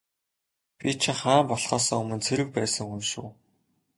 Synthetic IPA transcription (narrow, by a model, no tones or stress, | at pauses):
pʲit͡ɕʰɪ̆χaːmpɔɮχɔːsɔːŋɵmɵ̆nt͡sʰeɾɘ̆k̚pæːsə̆ŋxunʃṵː